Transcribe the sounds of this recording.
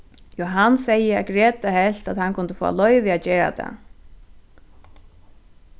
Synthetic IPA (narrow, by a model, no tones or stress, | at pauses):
jɔɦanːsɛjəaɡɾɛːt̪ahɛl̥t̪at̪hankʰʊnt̪ə̥fɔ̰ːa̰lɔʏvɪaðcɛːɾa̰t̪ʰa̰